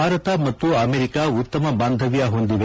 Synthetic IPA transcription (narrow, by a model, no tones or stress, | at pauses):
aːɾɐt̪ɐmɐt̪ːuɐmeːɾikaut̪ːɐmɐbaːnd̪ʱɐʋijɐɦo̞nd̪iʋe